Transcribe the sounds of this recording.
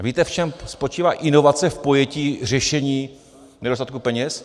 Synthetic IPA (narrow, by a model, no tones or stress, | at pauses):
viːt̪ɛft͡ʃɛmspot͡ʃiːvaːʔɪno̞vat͡sɛfpo̞jɛciːr̝ɛʃɛɲiː | nɛdost̪at̪̚kupɛɲɛs